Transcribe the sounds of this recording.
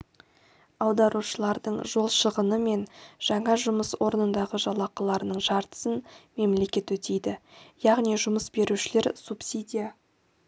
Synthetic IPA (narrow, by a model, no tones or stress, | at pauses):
ɑwd̪ɑɾuʃəlˠɑɾd̪əɴʒo̞lˠʃəʁənəme̞nʒ̥ɑɴɑʒʊməswo̞ɾənənd̪ɑʁəʒɑlˠɑqɑlˠɑɾənəɴʒɑɾt̪ə̥sənme̞mle̞kʲe̞t̪wɵt̪e̞jd̪ɪjɑʁnijʒʊməsbe̞ɾuʃɪle̞ɾsupsʲid̪ʲija